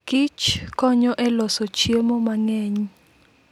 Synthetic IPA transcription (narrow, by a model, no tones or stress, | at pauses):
ɡ̥it͡ʃkʼɔɲɔʔɛlɔsɔt͡ʃʰiemɔmaŋeːɲi